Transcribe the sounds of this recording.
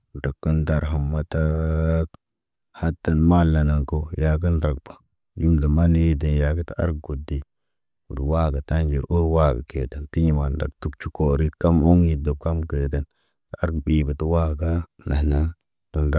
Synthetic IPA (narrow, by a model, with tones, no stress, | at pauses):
də˨kːə˦nda˨ɾɦə˨mːa˨ta˦ | ha˦tːa˨nma˦˨la˨na˨ŋko˦ja˨k̬ə˦ndɾa˨k̚bḁ˨ | d͡ʒu˦mdə˨ma˦n˦ji˦də˨nja˨ɡi˦ta˦a̰˦ɾkɡo˨di˦ | wu˨dwa˦ɡa˨ta˦nd͡ʒi˨ɾʔu˦ɾwa˦ɡa̰˨ke˨ta˨kti˦ɲi˦˨ma˨nda̰˨ktu˨˦k̚t͡ʃu˦ko˨ɾi˦tka˦mo˦ŋji˨də˨b̚ka˦mɡe˨də˦n | ta˦ɾkbi˨bə˨tu˦wa˦ɡa˦na˨na˦ | tu˨nda˦